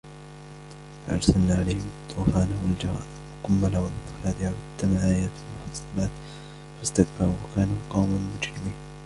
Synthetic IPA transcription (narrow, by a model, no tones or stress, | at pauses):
fa̰ʔɑ̰ɾˤsalnaːʕalajhɪmt̪ˤʰːuːfaːnawald͡ʒɑɾɑ̰ː | lqʊmːalawalɪt̪ɪfaːd̪ɪhawad̪ːamaʕajat̪ɪlmʊħɑɑsˤːɑlaːt̪ | fast̪akbɑɾuwakaːnuːqɑwmalmʊd͡ʒɾɪmiːn